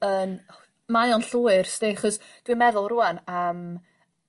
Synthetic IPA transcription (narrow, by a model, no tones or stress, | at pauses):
ən | majɔnɬuːɪrsdiχɔs | d̥wimɛðʊlˠrʊanəm